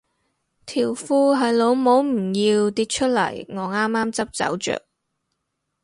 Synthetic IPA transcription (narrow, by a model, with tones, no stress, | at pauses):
t̪ʰiː˨˩wfuː˧ɦɐ˨˧jlo˨˧wmo˨˥wm̩˨˩ji˧wt̪iː˧t̚t͡ʃʰɵ˥t̚lɐ̰˨˩jŋɔː˨˧ŋaː˥mːaː˥mt͡sɐ˥p̚t͡sɐ̰˨˥wt͡ʃœ̰ː˨˩k̚